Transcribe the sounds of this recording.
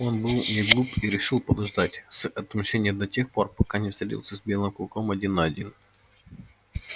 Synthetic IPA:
o̞nbɨlˠnʲɪɡlˠupiɾʲɪʂɨlˠpəd̪ɐʐd̪atʲsɐt̪mɕenʲɪjəd̪ɐtʲe̞xpo̞rpɐkanʲɪfst̪ɾʲɪtʲḭlˠsʲəzbʲe̞lˠɨmklˠkomɐdʲinːɐɐdʲin

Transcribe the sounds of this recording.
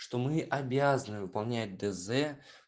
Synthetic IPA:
ʂt̪ɔmɨʔabʲazɐnɨvɨpalˠnʲat̚ʲd̪ɛzɛ

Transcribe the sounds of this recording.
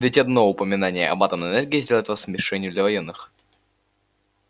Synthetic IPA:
vʲɪtʲɐd̪no̞ʊpəmʲɪnanʲɪjə̰ʔɐ̰bat̪ənəɛnɛrɡʲɪɪzʲdʲelˠjɪt̪vasmʲɪʂɛnʲɪjʊd̪lʲɐvɐjenːɨx

